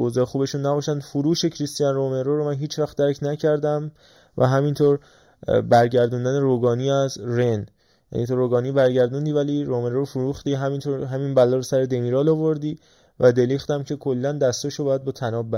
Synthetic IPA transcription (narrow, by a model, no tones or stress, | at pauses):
ozɒːxuːbe̞ʃunːæbɒːʃænd̪fuɾuːʃe̞cʰɾist̪ijænromeɾoɾomænɦiːt͡ʃʰvæxd̪æɾcʰnæcʰæɾd̪æm | væ̰ɦæmint̪ʰoɾ | bæɾɟæɾd̪und̪æneɾoɡɒːniæzɾen | jæ̰niːt̪ʰoɾoːɡɒːnibæɾɟæɾd̪und̪iːvæliɾome̞ɾoɾofuɾuxd̪iːɦæmint̪ʰoɾɦæminbælɒːɾosæɾed̪emiːɾɒːlovoɾd̪iː | væd̪e̞liːxt̪æmcʰe̞kʰo̞lːænd̪æst̪oʃobɒːjæd̪bɒːt̪ʰænɒːbæ